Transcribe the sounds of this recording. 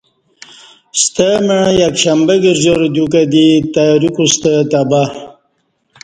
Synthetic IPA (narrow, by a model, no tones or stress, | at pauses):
st̪əmeɻjɐkɕambeɡiɾzoɾd̪ukad̪it̪aɾikust̪ət̪aba